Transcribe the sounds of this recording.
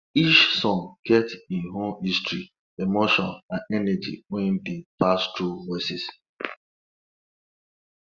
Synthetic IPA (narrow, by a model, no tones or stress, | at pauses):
it͡ʃsɔ̃ŋkʰɛtĩnɦomistɹi | emoʃɔ̃nãnɛnɛd͡ʒḭwɛ̃ndipastuvɔɪsis